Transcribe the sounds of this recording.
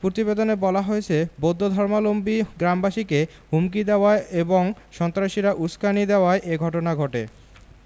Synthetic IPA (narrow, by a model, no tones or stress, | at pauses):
pɾot̪ibed̪onebɔlaɦoet͡ɕʰebod̪ʱːod̪ʱɔɾmalombiɡɾambaʃike | ɦumk̬id̪eoaeeboŋʃɔnt̪ɾaʃiɾaʔuskanid̪eoaeʔeɡʱɔʈonaɡʱɔʈḛ